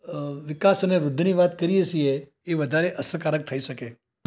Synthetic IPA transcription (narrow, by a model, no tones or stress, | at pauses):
ʋɪkasəneʋɾʊd̪ʱːniʋat̪kəɾiəʃie | eʋəd̪ʱaɾeʔəsəkaɾək̚t̪ʰəiʃəke